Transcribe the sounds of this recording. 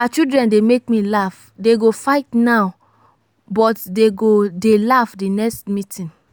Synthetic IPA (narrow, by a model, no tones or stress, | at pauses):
at͡ʃidɹɛ̃ndemek̚milaf | deɡofaɪtnaʊ | bɔtdeɡodelafdinɛkstmitĩn